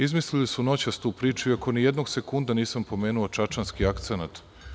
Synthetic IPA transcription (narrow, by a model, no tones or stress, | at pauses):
izmislilisuno̞t͡ɕast̪uːpɾiːt͡ʃuiako̞nijed̪no̞ɡsekund̪aniːsampo̞meːnuot͡ʃat͡ʃanskiakt̪senat̪